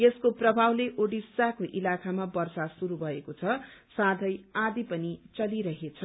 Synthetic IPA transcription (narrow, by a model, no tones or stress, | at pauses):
eskoprʌbʱawleʔoɽisakoʔilakʰamabʌrsasuɾubʱʌekot͡sʰʌsad̪ʱʌjad̪ipʌnit͡sʌliɾʌɦet͡sʰʌ